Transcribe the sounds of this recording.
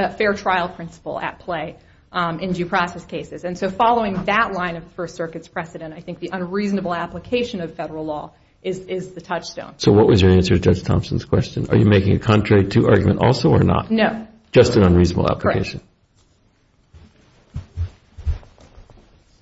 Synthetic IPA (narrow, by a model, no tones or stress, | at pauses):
ɨfɛɹtʰɹ̥aɪl̩ˠpʰɹ̥ɪ̃nsə̥pl̩ˠɨ̰t̚pʰl̥eɪ | ɪ̃nd͡ʒʉpʰɹ̥ɑsɛskʰeɪsɨzɨ̃nsoʊfɑlˠoʊɪ̃ŋðɨʔˡlãɪ̃nʌv̥fɜ˞stsɜ˞kɨtspʰɹ̥ɛsɨɾɨ̃ntaɪθɪ̃ŋk̚ðiʔə̃nɹiznəbl̩ˠæpləkʰeɪʃɨ̃nʌv̥fɛɾə˞l̩ˠlɔ | ʔɪzɪzðɨtʰʌt͡ʃstõʊ̃nsoʊwʌʔ̚wʌzjə˞æ̃nsə˞ɨd͡ʒʌd͡ʒ̥tʰɑ̰̃msn̩z̥kʰw̥ɛst͡ʃɨ̃nə̰˞jɨmeɪkɪ̃ŋɨ̰kʰɑ̃ntɹ̥ɛɹitʰɨʔɑɹɡjɨmɨ̃ntɔ̰lˠsoʊə̰˞nə̰t̚noʊ | d̥ʒ̥ʌstɨ̃nʌ̃nɹiznəbl̩ˠæ̰pləkʰḛɪʃn̩